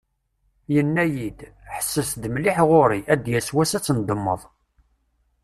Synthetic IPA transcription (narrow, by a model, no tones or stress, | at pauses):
jənːæjid̪ħə̥sːəθd̪mlɪħʁʊɾiæd̪jæswæsæt͡sːənd̪əmːəðˤ